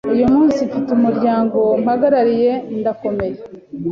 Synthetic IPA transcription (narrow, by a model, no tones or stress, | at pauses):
ujumuːnsifitumuɾɟaːŋɡo̞mhaɡaɾaɾije̞ndako̞me̞je